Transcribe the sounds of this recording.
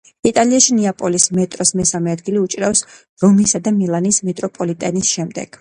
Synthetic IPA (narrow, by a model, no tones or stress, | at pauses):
it̪ʼaliaʃiniapʼɔlismɛt̪ʼɾɔsmɛsamɛad̪ɡiliut͡ʃʼɾafs | ɾɔmisad̪amilˠanismɛt̪ʼɾɔpʼɔlit̪ʼɛnisʃɛmd̪ɛ̰ɡ̥